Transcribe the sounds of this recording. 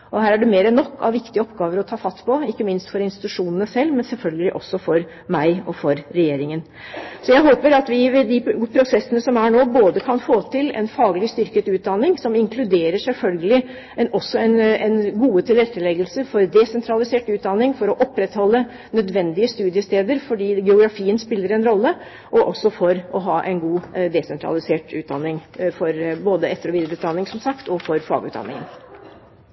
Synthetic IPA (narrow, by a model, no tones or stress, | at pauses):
ʔɔhæːɾæɖʉmeːɾənːɔkːɑ̰ʋɪkt̪ɪəɔpɡɑːʋəɾɔt̪ʰɑːfɑt̪ːpʰɔɪkːəmɪnst̪fɔɾɪnst̪ɪ̥t̪ʉʂuːnənəsɛlːmɛnsɛlfœlɡəlɪʔɔsːɔfɔɾ | mæɪɔfɔɾːɛjeːɾɪŋən | sɔjæɪɦoːpəɾɑt̪ʋɪʋɛd̪ɪpʰɾʊsɛsːənəsɔmæɳoːboːd̪əkʰɑnfoːt̪ʰɪlɛ̰nfɑːɡəlɪst̪ʏɾkət̪ʉːt̪̚d̪ɑnːɪŋsɔmɪŋkʰlʉd̪eːɾəʂɛlfœlɡəlɪ | ɛnɔsːɔɛnɛnɡuːət̪ʰɪlɾɛt̪ːəlɛɡəlsəfɔɾd̪ɛsɛnt̪ʰɾɑlɪseːʈʉːt̪̚d̪ɑnːɪŋfɔɾɔʔɔpːɾɛt̪hɔlːə | nœd̪ʋɛnd̪ɪəst̪ʉːd̪ɪəst̪eːd̪əɾfɔɖiːɡɛʊɡɾɑfiːənspɪlːəɾɛnɾɔlːə | ʔɔʔɔsːɔfɔɾʔɔɦɑːʔɛ̰nɡuːd̪ɛsɛnt̪ʰɾɑ̰lɪseːʈʉːt̪̚d̪ɑnːɪŋfɔɾboːd̪əɛt̪ːəɾɔʋiːd̪ɾəʉːt̪d̪ɑnːɪŋsɔmsɑkt̪ɔfɔɾfɑ̰ːɡʉ̰ːd̪ɑ̰nːɪ̰ŋə̰n